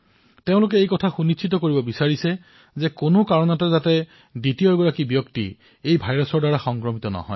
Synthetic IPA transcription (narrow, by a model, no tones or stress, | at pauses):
teʊ̃lʊk̬ɛejkɔtʰaxunit͡ʃʰitɔkoɹibɔbisaɹisɛ | zɛkonokaɹɔnɔtɔzatɛ | ditiɔɹɡɔɹakibjɔktḭ | ejbʱajɹɔsɔɹdaɹaxɔŋkɹɔmitɔnɔ̰ɦɔ̰j